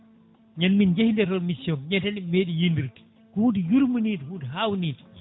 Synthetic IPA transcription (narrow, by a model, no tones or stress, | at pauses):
ɲanːind͡ʒehindɛɾɔlmisjɔnɲɛtanimeɗijindiɾti̥ | kɔudijuɾmuniːdhudiɦawniːti